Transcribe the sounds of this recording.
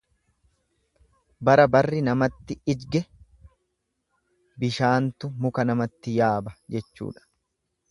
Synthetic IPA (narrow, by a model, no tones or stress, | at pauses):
bɐɾɐbɐrːɪnɐmɐt̪ːɪɪd͡ʒɡɛ | bɪʃaːnt̪ʊmʊkɐnɐmɐt̪ːɪjaːbɐd͡ʒɛt͡ʃːṵːᶑɐ̥